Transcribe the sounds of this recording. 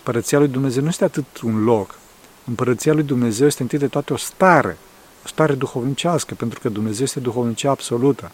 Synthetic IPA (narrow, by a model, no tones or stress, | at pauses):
ɨmpəɾət̪sialujd̪umne̞ze̞wnujest̪eat̪ɨt̪unlo̞k | ɨmpəɾət̪sijalujd̪umne̞ze̞wje̞st̪eŋt̪it̪əd̪et̪at̪eo̞st̪aɾḛ | ost̪aɾe̞d̪uxo̞vnit͡ʃaskəpe̞nt̪ɾu̥kəd̪umneze̞wjest̪e̞d̪uxo̞vnit͡ʃiaːbso̞lut̪ə